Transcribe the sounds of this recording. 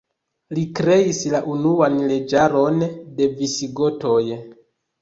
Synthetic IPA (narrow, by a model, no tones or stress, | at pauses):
likɾe̞islaʔunuanle̞d͡ʒaɾo̞nde̞visiɡo̞to̞j